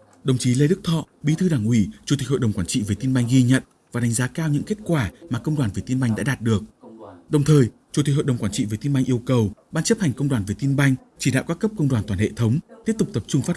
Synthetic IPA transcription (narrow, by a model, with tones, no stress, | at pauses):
ɗə˨˩wŋ͡mt͡ɕi˨˦le˧ɗɨ˦˥k̚t̪ʰɔ̰˧˨ɓi˨˦t̪ʰɨ˧ɗaː˧˩ŋʔwḭ˧˩t͡ɕu˨˩i˨˩k̟ɦo̰˧˨jɗə˨˩ŋ͡mkwaː˧˩nt͡ɕḭ˧˨ve˨˩t̪i˧nɓa˧jŋ̟ɣi˧ɲə̰˧˨n | vaː˨˩ɗa˨˦ŋzaː˨˦kaː˧wɲɨ̰˧˥ŋke˦˥t̚kwaː˧˩maː˨˩kə˧wŋ͡mɗwaː˨˩nve˨˩t̪i˧nɓa˧jŋ̟ɗa̰ː˧˥ɗaː˨˩t̚ɗɨ˨˩ək̚ɗə˨˩wŋ͡mt̪ʰəː˨˩jt͡ɕu˨˧˩t̪i˨˩k̚ɦo̰˧˨jɗə˨˩ŋ͡mkwaː˧˩nt͡ɕḭ˧˨veː˨˩t̪i˧nɓa˧jŋʔi˧əwkə˨˩wɓaː˧nt͡ɕə˦˥p̚ha˨˩jŋ̟kə˧wŋ͡mɗwaː˨˩nve˨˩t̪i˧nɓa˧jŋ̟t͡ɕi˧˩ɗa̰ː˧˨wkaː˦˥kːə˦˥p̚kə˧wŋ͡mɗwaː˨˩nt̪wːhḛ˧˨t̪ʰə˨˦wŋ͡mt̪i˦˥əp̚t̪ʊ˨˩k͡p̚t̪ə˨˩p̚t͡ɕʊ˧ŋ͡mfaː˦˥